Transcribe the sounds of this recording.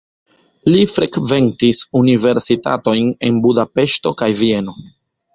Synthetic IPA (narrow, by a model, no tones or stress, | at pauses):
lifɾe̞kve̞ntisunive̞ɾsita̰to̞jne̞nbudape̞ʃto̞kajvie̞no̞